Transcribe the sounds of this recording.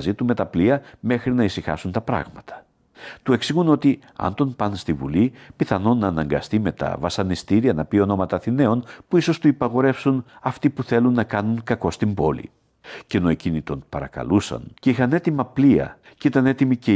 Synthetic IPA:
zit̪ume̞t̪ɐpliɐme̞xɾinɐisixɐ̰sunt̪ɐpɾɐ̰ɣmɐt̪ɐ̥ | t̪ue̞ksiɣuno̞t̪i | ɐ̰nt̪o̞npɐnst̪ivṵlipiθɐno̞nɐːnɐŋɡɐ̰st̪ime̞t̪ɐ̰vɐsɐnist̪iɾiɐnɐpio̞no̞mɐt̪ɐθine̞o̞npuiso̞st̪uipɐɣo̞ɾe̞fsunɐft̪ipuθe̞lunːɐkɐnuŋkɐko̞st̪imbo̞lḭ | ceno̞e̞cinit̪o̞npɐɾɐkɐ̰lusɐ̰nceixɐne̞t̪imɐpliɐ̰ | cit̪ɐne̞t̪imice

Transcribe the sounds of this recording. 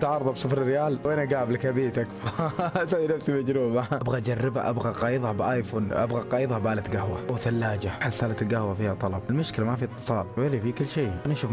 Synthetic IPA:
t̪ʕɑɾˤðˤɑbsˤɨfɾɪrːɪjaːlwʔanaɡaːbɪlkabiːt̪akwsawːinafsimad͡ʒɾuːmaabɣaʔd͡ʒarˤːɪbha̰ʔabɣaqɑːjɨðˤhabɪʔajfuːnʔa̰bɣaqɑːjɨðˤhabaːlat̪ɡahwa̰wθalːaːd͡ʒaħasːalat̪ɪlɡahwafiːhat̪ˤɑlɑbɪlmʊʃkɪlamafiɪt̪ˤːɨ̥sˤɑːlwalefikʊlːʃeːʔanaʃuːf

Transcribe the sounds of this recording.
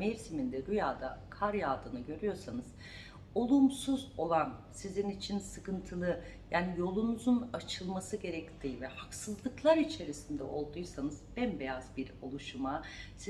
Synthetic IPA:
meɾsimind̪ɛɾujaːd̪akʰaɾjaːd̪ɯnɯɟø̞ɾyjo̞ɾsanɯz̥ | o̞lˠumsuzo̞lˠansizinit͡ʃʰinsɯkɯnt̪ʰɯlˠɯ | jaːnijo̞lˠunuzunat͡ʃʰɯlˠmasɯɟe̞ɾɛct̪iːvɛhaksɯzlˠɯklˠaɾit͡ʃʰe̞ɾisind̪ɛ̰ʔo̞lˠd̪ujsanɯzbænbe̞jazbiɾo̞lˠuʃumasi

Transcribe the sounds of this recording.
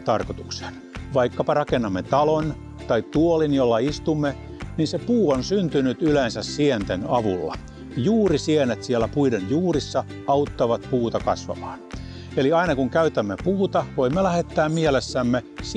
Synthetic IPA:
t̪ɑrkot̪u̥kse̥n | ʋɑikːɑpɑrɑkenːɑmːet̪ɑlon | t̪ɑit̪ːuolinjolːɑist̪umːe | ninsepuːonsynt̪ynyt̪ylensæssient̪enɑʋṵlːɑ̰ | juːrisienet̪siælːˑæpuidenjuːrisːɑ | ɑut̪ːɑʋɑt̪puːt̪ɑkɑ̰sʋɑ̰mɑ̥ːn | eliɑinɑkuŋkæyt̪æmːepuːt̪ɑʋoimːelæhet̪ːæːmmielesːæmːes

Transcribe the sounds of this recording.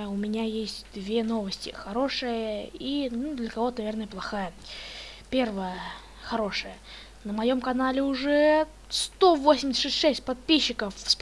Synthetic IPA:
ʊmʲɪnʲajesʲtʲd̪vʲe̞no̞vəsʲtʲɪ̰xɐɾo̞ʂɨjəinud̪lʲəkɐvo̞t̪ənɐvʲernəjəplˠɐxajə | pʲervəjə | xɐɾo̞ʂɨjə | nəmɐjo̞mkɐnalʲɪʊʐɛ | st̪o̞vosʲɪmʲsʲət̪ːʂɛsʲtʲʂɛsʲt̚ʲpɐt̪̚pʲiɕːɪkəfsp

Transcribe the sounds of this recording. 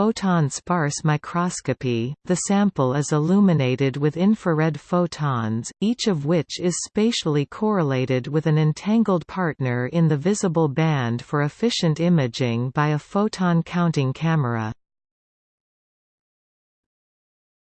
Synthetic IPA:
oʊtʰɑ̃nspɑɹsmaɪkʰɹ̥ɑskɨpiðɨsæ̃mpl̩ˠɪzəlʉmɨneɪɾɨd̚wɨðɪ̃ɱfə˞ɛd̥foʊtʰɑ̃nz̥it͡ʃʌvwɪt͡ʃɪz̥speɪʃl̩ˠikʰɔɹɨleɪɾɪd̚wɨðɨ̃nɨ̃ntʰæ̃ŋɡl̩ˠd̚pʰɑɹtⁿnə˞ɪ̃nðɨvɪzəbl̩ˠbæ̃nd̥fə˞ɨfɪʃɨ̃ntɪ̃mɨd͡ʒɪ̃ŋbaɪɨfoʊtʰɑ̃nkʰãʊ̃ntɪ̃ŋkʰæmə˞ɨ̰

